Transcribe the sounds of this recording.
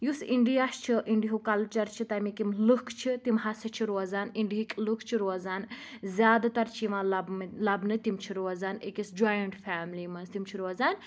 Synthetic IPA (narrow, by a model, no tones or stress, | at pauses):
jusiɳɖijaːʃt͡ʃʰiʔiɳɖiɦukɐlt͡ʃɐɾt͡ʃʰit̪ɐmikimlɨkʰt͡ʃʰit̪imɦɐsɐt͡ʃʰiɾoːzaːniɳɖiɦikʲʼlukʰt͡ʃʰiɾoːzaːn | zʲjaːd̪at̪ɐɾt͡ʃʰiʋãːlblɐbnɨt̪imt͡ʃʰiɾoːzaːnekisd͡ʒajɐɳʈfʲaːmliːmɐnst̪imt͡ʃʰiɾoːzaːn